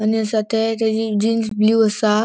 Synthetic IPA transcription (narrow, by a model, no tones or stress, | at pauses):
aniəsat̪ʰat̪ad͡ʑid͡ʑinsbluəsa